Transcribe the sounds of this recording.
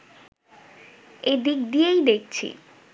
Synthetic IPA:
ed̪ik̚d̪ijejd̪ek̚t͡ɕʰḭ

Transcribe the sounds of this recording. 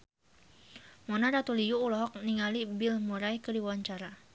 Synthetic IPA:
mɔnaɾat̪uliuːlɔɦɔk̚niŋalibilmɔɾajkədiwaɲt͡ʃaɾa

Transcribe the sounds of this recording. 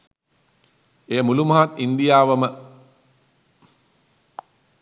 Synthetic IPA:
eːəmulumɐɦat̪ind̪ijaːʋəmə

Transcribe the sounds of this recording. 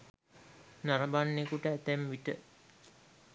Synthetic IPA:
naɾɐbanːekuʈəæt̪æmʋiʈə

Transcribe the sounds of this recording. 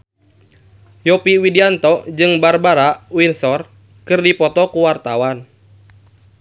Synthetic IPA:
jɔpiwidiant̪ɔd͡ʒɨŋbarbaɾawinsɔr | kɨrdipɔt̪ɔkuwart̪awan

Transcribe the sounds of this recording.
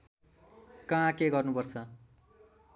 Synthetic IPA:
kãkeɡʌrnupʌrt͡sʰʌ

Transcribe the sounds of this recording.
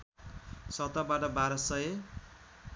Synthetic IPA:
sʌt̪abaʈʌbaɾʌsʌje

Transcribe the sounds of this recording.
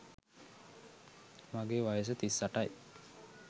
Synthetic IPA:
maɡeːʋajəs̬ət̪isːaʈaj

